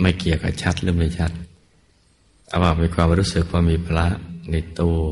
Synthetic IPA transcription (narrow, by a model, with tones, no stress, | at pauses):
ma˧˩jki˨˩əwka̰ː˨˩p̚t͡ɕʰa˦˥t̪̚lɯ˦˥ma˧˩jt͡ɕʰa˦˥t̪̚ | a̰˧wmaː˨˩miː˧kʰwaː˧mɾuː˦˥sɯ˨˩k̚waː˧˩miː˧pʰla˦˥ʔna˧jt̪u˧